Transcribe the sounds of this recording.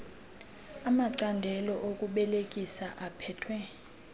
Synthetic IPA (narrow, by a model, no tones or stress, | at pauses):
amaǀandʱɛlɔʔokʼuɓɛlekʼisaʔapʰɛːtʰwɛ